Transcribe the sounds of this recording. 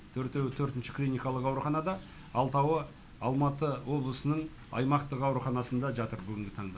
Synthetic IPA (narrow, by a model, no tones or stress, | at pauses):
t̪ʰɵɾt̪e̞wɪt̪ʰɵɾt̪ɪnʃɪ̥klʲinijkɑlˠəqɑwɾuχɑnɑd̪ɑ | ɑlˠt̪ɑwə | ɑlˠmɑt̪əwo̞blˠəsənəɴ | ɑ̰jmɑqt̪əqɑwɾuχɑnɑsənd̪ɑʒɑt̪əɾbʏɡʲɪŋɡʲɪt̪ʰɑɴd̪ɑ